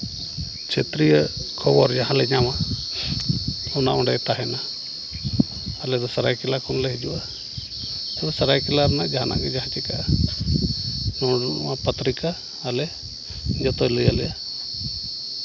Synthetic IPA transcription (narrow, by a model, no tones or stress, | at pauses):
t͡ʃʰet̪ɾijəkʰɔbɔɾd͡ʒaɦãlɛɲama | ɔnaʔɔɳɖajt̪aɦɛna | lɛd̪ɔsaɾajkɛlakʰɔnlɛɦid͡ʒuwa | t̪ɛbɛsəɾajkilaɾnajd͡ʒaɦana̰ʔɡɛd͡ʒaɦãt͡ʃikaʔ | nɔɽapət̪ɾikaː | lɛ | ɲd͡ʒɔt̪ɔjləjalɛja